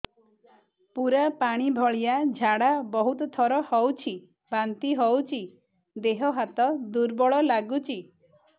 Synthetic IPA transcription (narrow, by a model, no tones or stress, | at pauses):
puɾapaɽ̃ibʱɔɭijad͡ʒʱaɽabɔɦut̪ɔt̪ʰɔɾɔhɔwt͡ʃʰi | bant̪iɦɔwt͡ʃʰi | d̪eɦɔɦat̪ɔd̪uɾbɔɭɔlaɡut͡ʃʰi